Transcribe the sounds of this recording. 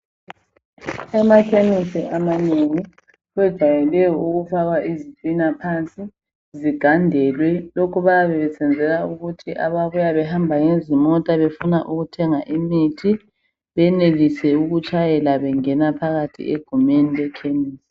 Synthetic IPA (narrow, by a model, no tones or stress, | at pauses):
ɛmakʰenisiʔamaneŋi | ɣɛd̥ʒ̥ʱwajɛlɛjɔuɣufaɣwaʔizitʼwinapʰant͡sʼi | ziɡ̥ʱandʱɛːlwɛlokʰuβajaβɛβɛsɛnd͡zʱɛlauɣutʰiʔaβaβujaβɛɦambʱaŋezimɔtʼaβefunaʔuɣutʰɛŋaʔimitʰi | βɛneɣisɛuɣut͡ʃʼajɛlaβɛŋɛnapʰaɣatʰḭʔḛɡ̥ʱumenilɛkʰeniːsi̥